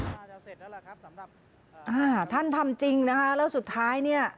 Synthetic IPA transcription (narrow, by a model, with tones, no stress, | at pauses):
ʔaː˧˩t̪ʰa˥˩nt̪ʰa˧mt͡ɕi˧ŋna˦˥kʰa˦˥lɛː˦˥wsu˨˩t̪ʰːaː˦˥jni˥˩ɐ